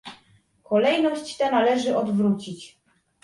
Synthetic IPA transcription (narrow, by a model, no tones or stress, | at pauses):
kɔlɛjnɔɕt͡ɕt̪ɛnalɛʐɘʔɔd̪vɾut͡ɕit͡ɕ